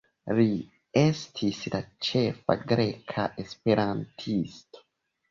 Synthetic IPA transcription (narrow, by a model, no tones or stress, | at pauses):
ɾi | ɛstʰisdat͡ʃefa̰ɡɾekʰaʔespeɾãntʰist